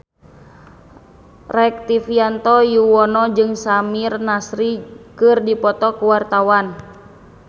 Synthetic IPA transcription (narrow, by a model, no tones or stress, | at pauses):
rɛk̚t̪ifiant̪ɔjuwɔnɔd͡ʒɨŋsamirnasɾikɨrdipɔt̪ɔkuwart̪awan